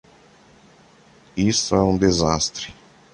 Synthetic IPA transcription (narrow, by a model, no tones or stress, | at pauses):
ist̪ʊɛũd̪ezast̪ɾɪ